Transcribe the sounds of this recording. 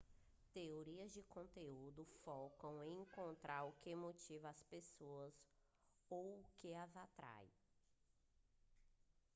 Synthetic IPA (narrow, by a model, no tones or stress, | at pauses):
t̪eoɾiɐzd͡ʒɪkõnt̪eud̪ʊfɔwkɐ̃w̃ẽĩkõnt̪ɾʔaɾʊkɪmot͡ʃivɐːspesoɐz | owʊkɪɐzat̪ɾa̰j